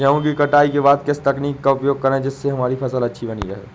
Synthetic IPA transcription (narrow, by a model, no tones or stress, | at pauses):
d͡ʒɐɦũkikɐʈaːikebaːd̪̚kɪst̪ɐkniːkːaʊpjoːɡ̚kɐɾ̃d͡ʒɪsːeɦɐmaːɾipʰɐsəlɐtːʃʰibɐnḭɾɐɦɛ̰ː